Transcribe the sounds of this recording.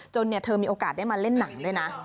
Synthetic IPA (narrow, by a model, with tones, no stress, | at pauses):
t͡ɕo˧nːi˥˩ɐt̪ʰɤː˧miː˧ʔoː˧kaː˨˩a˥˩maː˧le˥˩nːa˩˦ŋdu˥˩əjna˦˥